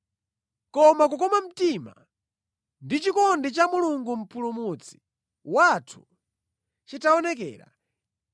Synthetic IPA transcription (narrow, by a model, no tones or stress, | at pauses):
kɔmak̬ukɔmam̩tima̰ | ndit͡ʃikɔndit͡ʃamuluŋɡum̩pʰulumut͡sʰi̥ | watʰu̥ | t͡ʃitaɔnɛk̬ɛ̰ːɾa̰